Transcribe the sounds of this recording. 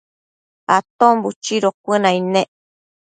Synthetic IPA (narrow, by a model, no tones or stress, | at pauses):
at̪ombut͡ʃiɾokʷɨnãinẽ